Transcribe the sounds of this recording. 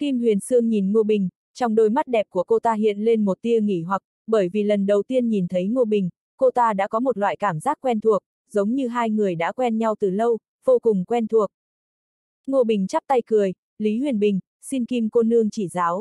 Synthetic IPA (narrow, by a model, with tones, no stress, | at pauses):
ki˧mtwi˨˩ənsɨ˧əŋɲi˨˩nŋu˧əɓï˨˩ŋ̟ | t͡ɕɔ˧wŋ͡mɗo˧jma˦˥t̚ɗɛ˨˩p̚ku˧˩əko˧t̪aː˧ɦḭ˧˨ənle˧nmo˨˩t̚t̪i˧əŋḭ˧˩ɦwa˨˩k̚ | ɓəː˧˩jvi˨˩lə˨˩nɗə˨˩wt̪i˧ənɲi˨˩nt̪ʰə˨˦jŋu˧əɓï˨˩ŋ̟ | ko˧t̪aː˧ɗa̰ː˧˥kɔ˨˦mo˨˩t̚lwa̰ː˧˨jkaː˧˩mzaː˦˥k̚kwɛ˧nt̪ʰu˨˩ək̚ | zə˨˦wŋ͡mɲɨ˧ɦaː˧jŋɨ˨˩əjɗa̰ː˧˥kwɛ˧nɲa˧wt̪ɨ˨˩lə˧w | v̥o˧kʊ˨˩ŋ͡mkwɛ˧nt̪ʰu˨˩ək̚ | ŋu˧əɓï˨˩ŋ̟t͡ɕa˦˥p̚t̪a˧jkɨ˨˩əj | li˨˦ɦwi˧˨˩ənɓï˨˩ŋ̟ | si˧nki˧mko˧nɨ˧əŋt͡ɕi˧˩zaː˨˦w